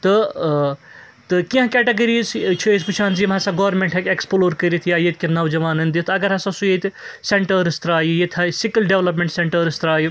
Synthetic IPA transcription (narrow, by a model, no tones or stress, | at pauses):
t̪ɨ | t̪ɨkiɦkeːʈeɡɐɾiːzt͡ʃʰiispɨt͡ʃʰaːnzimɦɐsɐɡɐʋɐɾmẽɳʈɦekeksploːɾkəɾit̪ʰijaːjet̪̚ʰʲkʲinɐʋd͡ʒɐʋaːnɐnd̪it̪ɐɡɐɾɦɐsɐsujet̪seɳʈɐɾɨst̪ɾaːjijet̪ʰɐsikɐlɖeʋlɐp̬meɳʈseɳʈɐɾɨst̪ɾaːji